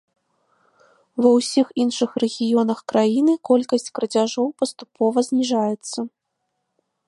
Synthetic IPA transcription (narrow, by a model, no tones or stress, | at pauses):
vɐwsʲixinʂɨxrɛɣʲijɔnɐxkɾajinɨkɔlʲkɐsʲt͡sʲkɾɐd͡zʲaʐɔwpɐst̪upɔvɐzʲnʲiʐajɛt̪sːɐ